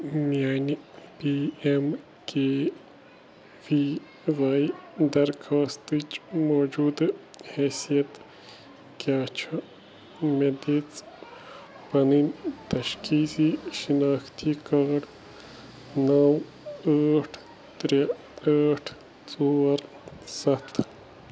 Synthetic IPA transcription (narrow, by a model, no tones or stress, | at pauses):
mjaːnipiːem | keː | ʋiː | ʋaːid̪ɐɾkʰaːst̪it͡ʃmoːd͡ʒuːd̪heːsijɐt̪ | kʲaːt͡ʃʰɐ | med̪et͡s | pɐnint̪ɐʃkiːsiʃinaːxt̪ʰikaːɖ | nɐw | əːʈʰ | t̪ɾe | aːʈʰ | t͡soːɾ | sɐt̪ʰ